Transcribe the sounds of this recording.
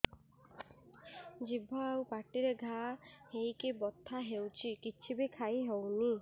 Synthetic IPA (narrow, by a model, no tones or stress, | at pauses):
d͡ʒibʱɔawpaʈiɾeɡʱahejkibɔt̪ʰːaɦewt͡ʃʰikit͡ʃʰibikʰajɦewni